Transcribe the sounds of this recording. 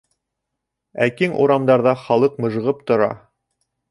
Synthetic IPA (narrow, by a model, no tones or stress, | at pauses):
ækiŋʔṵɾɑmd̪ɑɾðɑχɑlˠɤq̚mɤ̆ʒɤ̆ʁɤp̚t̪ŏɾɑ̰